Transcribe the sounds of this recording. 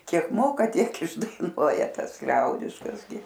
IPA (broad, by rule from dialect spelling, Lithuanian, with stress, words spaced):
ˈkʲiɛk ˈmoːkɐ ˈtʲiɛk ɪʒdɐɪˈnuɔjɛ ˈtɐs ˈlʲɛʊdʲɪʃkɐs ɡʲɪ